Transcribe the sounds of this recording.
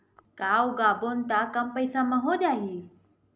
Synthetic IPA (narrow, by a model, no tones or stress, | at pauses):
kaːuɡaːboːnɪt̪akəmpəɪsãmãɦoːʄaːɦiː